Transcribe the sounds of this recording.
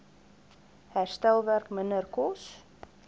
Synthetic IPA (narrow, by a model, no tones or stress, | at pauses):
hɛɾ̥st̪ɛlˠvɛɾkmɛnɛɾkʰɔs